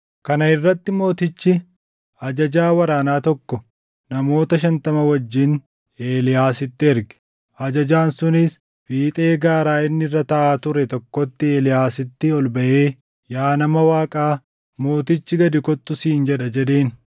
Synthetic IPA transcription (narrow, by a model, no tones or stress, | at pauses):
kɐnɐɪrːɐt̪ːɪmo̞ːt̪ɪt͡ʃːɪ | ɐd͡ʒɐd͡ʒaːwɐɾaːnaːt̪ɔkːɔ | nɐmo̞ːt̪ɐʃɐnt̪ɐmɐwɐd͡ʒːɪn | e̞ːlɪjaːsɪt̪ːɪɛɾɡɛ̥ | ɐd͡ʒɐd͡ʒaːnsʊnɪs | biːt̪ʼe̞ːɡaːɾaːɪnːɪrːɐt̪ɐʔaːt̪ʊɾɛt̪ɔkːɔt̪ːɪeːlɪjaːsɪt̪ːɪɔlbɐʔe̞ː | jaːnɐmɐwaːkʼaː | mo̞ːt̪ɪt͡ʃːɪɡɐd̪ɪkɔt̪ːʊsiːnd͡ʒɛᶑɐd͡ʒɛd̪e̞ːn